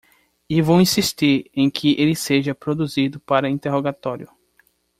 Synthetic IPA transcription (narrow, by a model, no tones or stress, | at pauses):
ɪvowĩsiʃt̪iɾẽj̃kʰɪʔelɪseʒɐpɾod̪uzid̪ʊpaɾɐĩnt̪eɦoɡat̪ɔɾjʊ